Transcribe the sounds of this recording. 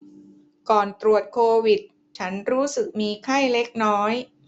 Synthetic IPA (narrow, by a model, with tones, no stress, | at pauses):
kɔː˨˩nt̪ɾu˨˩ət̪̚kʰoː˧wi˨˩t̪̚ | t͡ɕʰa˦˥nɾuː˦˥sɯ˨˩k̚miː˧kʰa˥˩jle˦˥k̚nɔː˦˥j